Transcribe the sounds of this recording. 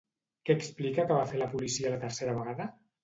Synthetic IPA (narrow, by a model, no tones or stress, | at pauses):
kɛːksplikəkəβafeləpulisiələt̪əɾseɾəβ̞əɣaðə